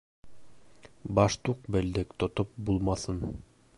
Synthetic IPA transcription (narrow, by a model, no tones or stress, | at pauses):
bɑʃt̪uq̚bɘ̆ld̪ɘkt̪ŏt̪op̚bulˠmɑθɤn